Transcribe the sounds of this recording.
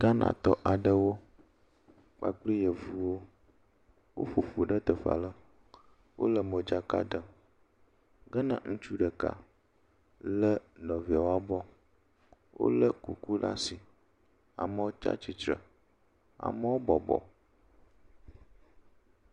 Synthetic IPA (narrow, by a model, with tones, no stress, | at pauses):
ɡ̥a˦nã̰˨t̪ɔ˦ʔa˨ɖə˦wo˦ | k͡pa̰˨k͡pli˦jə˨vu˦wo˦ | wo̰˦ɸu˨ɸu˨ɖə˦t̪ə˨ɸa̰˨lə˦ | wʔo̰˦lə˨mə˨d͡ʒa˦ka̰˦də˨ | ɡə˦nã̰˦ŋũ˦t͡ʃu˦ɖə˨ka̰˨ | lə˦nɔ̃˨vi˨a˨wo˦a˦bɔ˦ | wʔo̰˦lə˦kṵ˨ku˦la̰˦si˨ | a̰˨mə˦wo˦t͡ʃa̰˦t͡ʃi˨t͡ʃɾə̰˨ | a̰˨mə˦wo˦bɔ˨bɔ̰˨